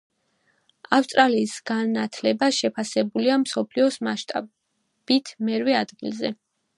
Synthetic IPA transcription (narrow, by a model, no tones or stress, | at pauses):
afst̪ʼɾaliːsɡ̥anat̪ʰlɛbaʃɛpʰasɛbuliamsɔpʰliɔsmaʃt̪ʼa̰ | b̥it̪ʰmɛɾwɛad̪ɡilzɛ